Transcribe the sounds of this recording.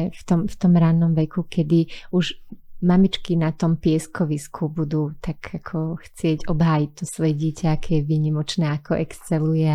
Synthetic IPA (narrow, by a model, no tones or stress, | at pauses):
ft̪ɔmft̪ɔmɾaːnɔmʋɛkukʰɛd̪iuʒmamit͡ʃkinat̪ɔmpɪɛskʰɔʋiskʰubud̪uːt̪aɡ̥akʰɔxt͡sɪɛɟɔbɦaːjic̚t̪ɔsʋɔjɛɟɪɛcaakʰɛjɛʋiːɲimɔt͡ʃnɛːakɔʔɛkst͡sɛlujɛ